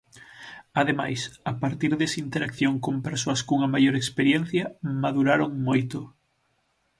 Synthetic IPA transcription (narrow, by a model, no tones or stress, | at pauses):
aðema̰jsapaɾt̪iɾðesint̪eɾakθjoŋkompeɾsoɐskuŋɐmajoɾekspeɾjen̟θjɐmaðuɾaɾoŋmojt̪ʊ